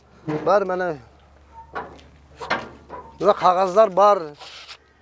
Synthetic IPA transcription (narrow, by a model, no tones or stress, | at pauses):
bɑɾmænæ | bnaqʰɑʁɑzlˠɑɾbɑɾ